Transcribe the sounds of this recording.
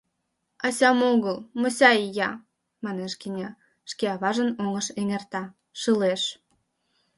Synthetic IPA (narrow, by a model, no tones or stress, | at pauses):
ɑsʲɑmoɣəlmosʲɑjɑ | mɑneʃkenʲɑ | ʃkeɑβɑʒənoŋəʃeŋert̪ɑ | ʃɯleʃ